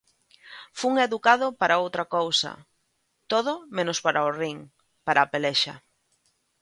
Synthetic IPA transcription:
fuŋeðukaðʊpaɾaowt̪ɾakowsɐ̰ | t̪oðʊmẽnʊspaɾaoriŋ | paɾʔaːpeleʃɐ̰

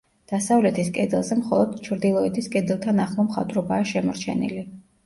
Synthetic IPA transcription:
d̪̥asavlɛt̪ʰiskʼɛd̪ɛlˠzɛmχɔlˠɔd̪̥t͡ʃʰɾd̪ilˠɔɛt̪ʰiskʼɛd̪ɛlˠt̪ʰanaχlˠɔmχa̰t̪ʼɾɔbaːʃɛmɔɾt͡ʃʰɛ̰nḭli

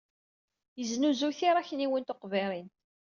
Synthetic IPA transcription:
jəznuzuθiɾˤaçniwənt̪oqviɾˤint̪

